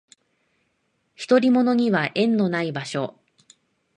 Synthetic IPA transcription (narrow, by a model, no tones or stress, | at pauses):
çi̥t̪o̞ɾʲimo̞no̞ɲ̟iβaʔẽ̞nːo̞naibaɕo̞